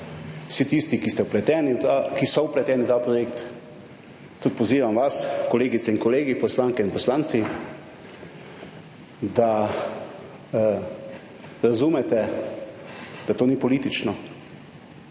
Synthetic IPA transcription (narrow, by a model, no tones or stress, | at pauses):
w̥sit̪ist̪ikist̪ɛuplɛt̪ɛniakisɔuplɛt̪ɛːnit̪aːpɾɔjeːkt̪ | t̪ːut̪̚pɔziːʋamʋaskɔleːɡit̪sɛinkɔleːɡipɔslaŋkɛinpɔslansi | d̪a | ɾazumɛt̪ɛ | d̪̥at̪oːnipɔlit̪it͡ʃnɔ